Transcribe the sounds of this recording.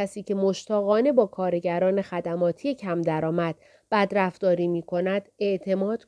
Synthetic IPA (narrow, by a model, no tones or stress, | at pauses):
æsiːcʰe̞mo̞ʃt̪ʰɒːɣɒːne̞bɒːkʰɒːɾeɟæɾɒːne̞xæd̪æmɒːt̪ʰije̞cʰæmd̪æɾɒːmæd̪̥ | b̥æd̪ɾæft̪ɒːɾiːmiːkʰo̞næd̪̥e̞ʔt̪ʰe̞mɒːd̪̥